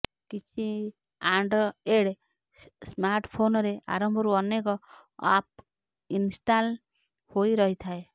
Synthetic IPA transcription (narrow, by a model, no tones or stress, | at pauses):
kit͡ʃʰi | aɳɖeɽ | smaɾʈpʰonɔɾeʔa̰ɾɔmbʱɔɾuɔnekɔa̰p̚ | insʈal | hoiɾɔɦit̪ʰae